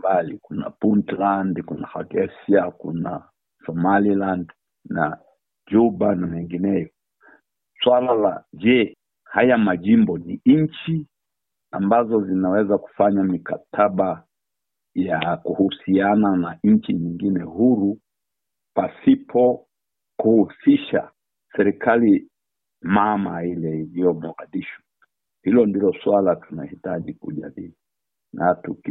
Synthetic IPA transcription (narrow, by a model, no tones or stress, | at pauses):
balikuna̰puntlandkunahaɡɛsiakṵna̰ | sɔmaliland | na̰ | d͡ʒubanamɛŋɡinɛjɔ | swalala̰d͡ʒɛ | hajamaʄimbɔniɲt͡ʃi | ambazɔzinawɛzaku̥faɲamikatʰaɓa | jakuhusiananaɲ̩t͡ʃiɲiŋɡinɛhuɾu | pasipʰɔ | kuhusiʃa̰ | sɛɾikʰali | mamailɛiliɔmɔɣaɗiʃwḁ | hilɔndilɔswalatuna̰hitaʄikṵʄa̰ɗili | natuki